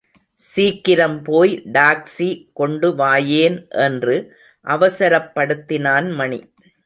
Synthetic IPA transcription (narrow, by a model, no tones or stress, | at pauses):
siːkːɪɾɐmpoːjɖaːksikɔɳɖɯʋaːjeːnʔɛndrɯ | ʔɐʋɐsɐɾɐpːɐɽɯt̪ːɪnaːnmɐɳi